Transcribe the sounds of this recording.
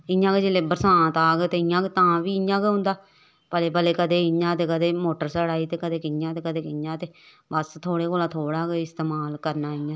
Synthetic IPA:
ɪjãːked͡ʒelebəɾsãːt̪aːɡet̪eːɪjãːket̪ãːʋiːɪjãːkeɦʊ̃nd̪aː | pəleːpəleːkəd̪eːɪãːt̪eːkəd̪eːmoːʈəɾsəɽaːiːt̪eːkəd̪eːkɪjãːt̪eːkəd̪eːkɪjãːt̪eː | bəst̪ʰoːɽeːkoːlãːt̪ʰoːɽaːkeɪst̪eːmaːlkəɾnaːɪãː

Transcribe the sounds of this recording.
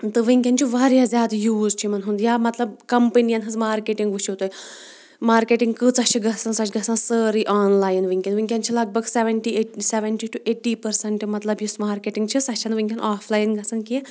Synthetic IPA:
t̪ɨʋiŋkʲant͡ʃʰiʋaɾjazʲaːd̪juːzt͡ʃʰimɐnɦũnd̪jamɐt̪lɐb̚kɐmpənijanɦɐd͡zmaːɾkeʈiŋɡʋiʃiwt̪oj | maːɾkeʈiŋɡkɨt͡saʃiɡʱɐsansaʃɡʱɐsãnsəɾiʔaːnlaːjnʋiŋkʲenʋiŋkʲjant͡ʃʰilɐɡ̚bəɡseʋəɳʈieseʋəɳʈiʈuʔeːʈipɐɾsɐɳʈimɐt̪lɐbjismaːɾkeʈiŋɡt͡ʃʰisɐʃanʋiŋkʲanʔaːfʰlaːjinɡʱɐsɨnki

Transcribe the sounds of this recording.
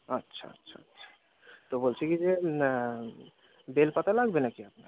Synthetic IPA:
ʌtːɕʰa̰ʌ̰tːɕʰa̰ə̰tːɕʰḁ | t̪obolt͡ɕʰekid͡ʑe | belpat̪alaɡbenakiapna̰

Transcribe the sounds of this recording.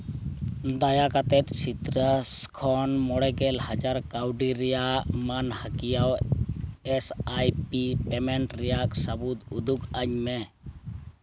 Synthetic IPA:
d̪ajakat̪ɛt̪̚sit̪ɾaskʰɔnmɔɽɛɡɛlhad͡ʒaɾkawɖiɾɛjaʔmanhakijaw | ɛsajpipɛmɛɳʈɾɛjaʔsabut̪ud̪ukaɲmɛ

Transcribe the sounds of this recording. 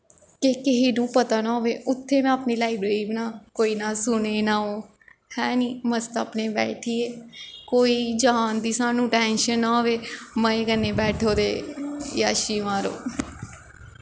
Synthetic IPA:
kekɪɦiːnũːpət̪aːnaɦoːʋeːʊt̪ʰːeːmɛ̃ːaːpniːlaːɪbɾeːiːʋnaːkoːiːnaːsʊɳ̃eːnaːoː | hɛːniːməst̪aːpneːbɛ̰ːʈʰiːeːkoːiːd͡ʒaaːnd̪iːsaːnũːʈɛ̃ːnʃənːaːɦoːʋeːməeːkənːeːbɛːʈʰoːd̪eːja̰ːʃiːʋãːɾo̰ː

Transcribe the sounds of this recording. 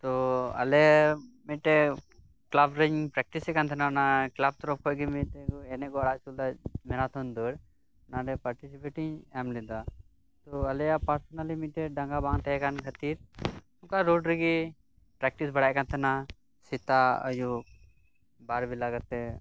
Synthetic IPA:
t̪ɔɐ̰lɛmiʈɛ | klabɾəɲpɾɛk̚ʈisɛkant̪ʰɛnanaklab̚t̪ɾɔp̚kʰɔɡimiʈɛkɛnɛkɔaɽaʔsud̪amɛɾat̪ʰɔnd̪əɽ | naɖɛpaɾʈisipeʈiɲɛmlɛd̪a | t̪ɔɐlɛjapaɾsɔnalimiʈɛɖaŋɡabaŋt̪ʰɛɦɛkankʰət̪iɾ | uŋkaɾoɖɾiɡi | pɾɛk̚ʈisbaɽajkant̪ʰɛna | sit̪aə̰ju | baɾbilaɡat̪ːɛ

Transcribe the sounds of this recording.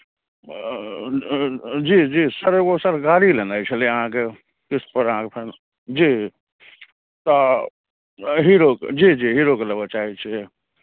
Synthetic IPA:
d͡ʒid͡ʒiːsəɾʋosəɾkaːɽilenaːit͡ʃʰəleəɦãke | kɪspəɾɦãkepʰɪɾ | d͡ʒiː | t̪o | ɦiɾokd͡ʒid͡ʒiːɦiɾokeləbət͡ʃaːɦit͡ʃʰi

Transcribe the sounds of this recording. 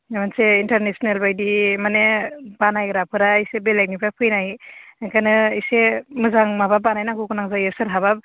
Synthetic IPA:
manseinteɾnesɔnelbajdimaneb̥anajɡɾapʰɯɾaisebelak̚nipʰapʰɯjnajkanɯisemɯzaŋmababanajnaŋkukunaŋzajɯsɯɾɦaβap̚

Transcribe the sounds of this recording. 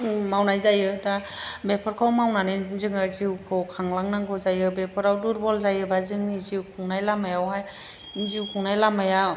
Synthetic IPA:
mawnajzajɯdabepʰɔɾkʰawmawnanizɯŋɯziwkʰɔkʰaŋlaŋnaŋɡɯzajɯbepʰɯɾawduɾbɔlzajɯbazɯŋniziwkʰuŋnajlamajawɦaj | niziwkʰuŋnajlamaja

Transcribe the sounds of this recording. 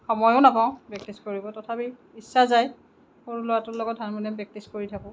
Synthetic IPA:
xɔmɔjoʊnapaʊ̃bɛk̚tiskoɹibɔtɔtʰapi | isːazaj | xoɹlʊwatʊlɔɡɔt̚ɦanmɔnɛbɛk̚tiskoɹitʰakʊ̃

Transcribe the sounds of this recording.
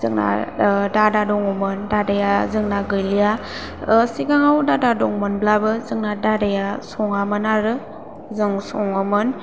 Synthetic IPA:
zɯŋna̰dadadɔŋɯmɯndadajazɯŋnaɡɯjlija | siɡaŋawdadadɔŋmɯnblabɯzɯŋnadadajasɔŋamɯnaɾɯ | zɯŋsɔŋɯmɯn

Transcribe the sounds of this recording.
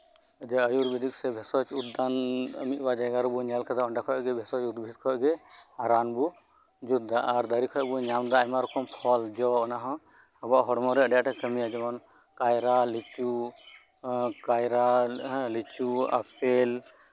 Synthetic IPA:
əd͡ʒaəjuɾbid̪iksɛbʱɛsɔt͡ʃud̪anmit̪̚bad͡ʒaɡaɾbuɲalkʰad̪aɔɳɖakʰɔɡɛbʱɛsɔt͡ʃud̪bʱit̪̚kʰɔɡɛaɾanbu | d͡ʒud̪aʔːɾd̪əɾikʰɔɔbuɲamd̪aːjmaɾɔkʰɔmpʰɔld͡ʒɔɔnaɦɔ̃ | ɔbaʔɦɔɽmɔɾɛʔɖɛjaʔʈɛkəmijad͡ʒɛmɔn | kajɾalit͡ʃu | kajɾalit͡ʃua̰pʰɛl

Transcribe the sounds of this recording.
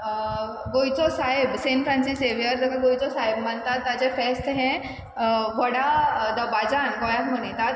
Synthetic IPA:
ɡojt͡sosaɦɪbseːnpɾãnsiseʋijəɾd̪ɐkaɡojt͡sosaɦɪbmɐnt̪at̪ad͡ʑefɛːst̪ɦɛ̃ | ʋɔɽad̪ɐbad͡ʒanɡojaɦmonit̪at̪

